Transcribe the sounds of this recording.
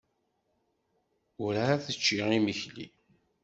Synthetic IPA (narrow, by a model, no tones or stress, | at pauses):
ʊɾaæθət͡ʃːiʁiməçlḭ